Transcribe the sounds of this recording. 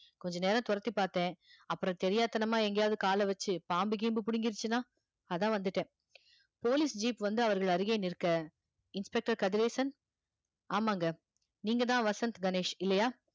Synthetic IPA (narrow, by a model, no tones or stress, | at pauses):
kɔɲd͡ʒɐneːɾɐ̃t̪ʊɾɐt̪ːipaːɾt̪ẽːɐpːɯɾɐ̃t̪ɛɾɪjaːt̪ːɐnɐmaːɛŋɡɐjaːʋɐðɯkaːlɐʋɐt͡ʃːɯpaːmbɯɡiːmbɯpʊɽɪŋɡɪɾt͡ʃːɯnãː | ɐðãːʋɐnd̪ɯʈːẽː | poːlisd͡ʒiːpʋɐnd̪ɯɐʋɐɾɣɐɭɐɾɯɣeːnɪɾɯkːɐ | ɪnspɛk̚ʈɐɾkɐðɪɾeːsɐn | aːmaːŋɡɐ | niːŋɡɐt̪ãːʋɐsɐnt̪ɡɐneːʂɪlːɐjaː